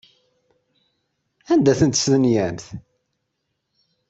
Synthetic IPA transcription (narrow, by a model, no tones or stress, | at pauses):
ænd̪æθənt̪sðənjæmθ